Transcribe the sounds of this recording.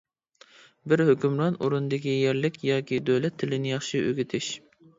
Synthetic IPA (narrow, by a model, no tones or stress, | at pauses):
bɪɾhøkʲymɾɑnʔṵɾund̪ɪkʲijɛɾlɪkʲjɑːkʲʰid̪øwlɛt̪ʰːɪlɪnɪjɑχʃiʔø̰ɡʲit̪ʰɪʃ